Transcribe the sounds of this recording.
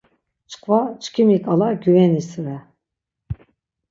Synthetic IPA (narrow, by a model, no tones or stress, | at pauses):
t͡ʃʰqʰvat͡ʃʰkʰimikʼalaɡʲyvɛnisɨɾɛ